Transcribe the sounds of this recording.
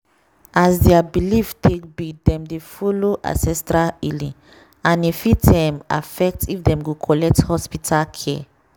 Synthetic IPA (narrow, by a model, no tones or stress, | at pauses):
ʔazdɛabiliftʰek̚bidɛ̃mdefuloʔã̰sɛstɹalilĩŋ | ãnifitdɛ̃ma̰fɛk̚tifdɛ̃mɡukʰɔlɛk̚thɔspitʰalkʰɛ